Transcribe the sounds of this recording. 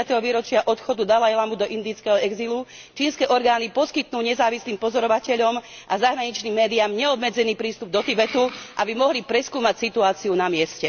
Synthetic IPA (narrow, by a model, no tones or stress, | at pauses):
at̪ɛɦɔʋiːɾɔt͡ʃɪaʔɔt̪xɔd̪ud̪alajlamud̪ɔʔind̪iːt͡skɛɦɔɛɡzilu | t͡ʃiːnskɛːʔɔɾɡaːnipɔskit̪nuːɲɛzaːʋisliːmpɔzɔɾɔʋacɛʎɔm | ʔazaɦɾaɲit͡ʃniːmːɛːd̪iamɲɛɔbmɛd͡zɛniːpɾiːst̪ub̚d̪ɔt̪ibɛt̪uʔabimɔɦlipɾɛskuːmacsit̪uaːt͡siunamɪɛscɛ